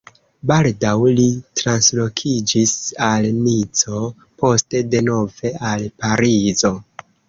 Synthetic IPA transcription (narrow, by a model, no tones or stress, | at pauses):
baldawlitɾanslo̞kʰid͡ʒisalnit͡so̞ | po̞ste̞de̞no̞ve̞alpaɾizo̞